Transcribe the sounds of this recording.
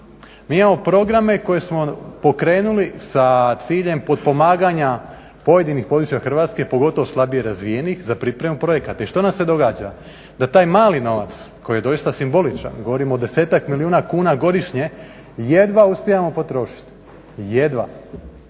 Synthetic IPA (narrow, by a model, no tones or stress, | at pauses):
miːimamo̞pɾo̞ɡɾame̞ko̞je̞smo̞po̞kɾe̞ːnulisat̪siːʎe̞mpo̞d̪̚po̞maːɡaɲa | po̞je̞d̪inixpo̞d̪ɾut͡ʃjaxr̩ʋaːt̪ske̞po̞ɡo̞t̪o̞ʋoslˠabije̞ɾazʋije̞nixzapɾipɾe̞mupɾo̞je̞kat̪aiʃt̪o̞nase̞d̪o̞ɡaːd͡ʒa | d̪at̪aːjmaːlino̞ʋa̰t̪s | kojije̞d̪o̞ist̪asimbo̞lit͡ʃa̰nɡoʋo̞ɾimoːd̪e̞se̞ːt̪akmiliuːnakuːnaɡo̞d̪iʃɲe̞ | je̞d̪ʋauspʲjejamo̞po̞t̪ɾo̞ːʃi̥t̪ | je̞d̪ʋa̰